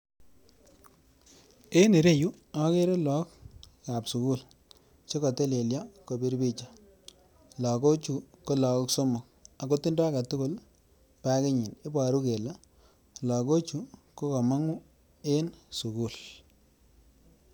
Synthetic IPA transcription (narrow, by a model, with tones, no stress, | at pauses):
e˦ne˨ɾe˦ju˦ | a˦ke˦ɾe˦lɔ˦kka˨psu˨ku˦˨l | t͡ʃe˦ko˨te˦le˨lja˦ko˨bi˦ɾbi˦t͡ʃa˨ | lɔ˨ko˦t͡ʃu˨ko˦lɔ˨ko˦kso˦mʊ˨k̚a˨ko˦ti˦ndɔ˦a˦ka˨tʊ˦kʊ˦l | pa˦kɪ˦ɲɪ˨nɪ˦ba˨ɾu˦ke˨la˦ | lɔ˨ko˦t͡ʃu˦ko˦ko˨ma˦ŋʊ˦ | e˦nsu˨ku˦˨l